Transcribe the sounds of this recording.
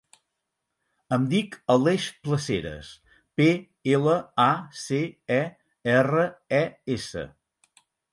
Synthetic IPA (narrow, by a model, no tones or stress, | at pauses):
əmd̪ikəleʃpləseɾə̰s | pe | eləaseɛ | ɛrəɛesə̰